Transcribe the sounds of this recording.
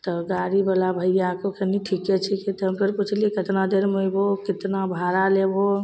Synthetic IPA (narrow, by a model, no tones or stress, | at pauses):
t̪ɔɡaɾibalabʱəjjakokʰeniʈʰiket͡ʃʰɛkit̪ɦəmpəɾput͡ʃʰlikət̪nad̪eɾmojbokɪt̪nabʱaɾalebo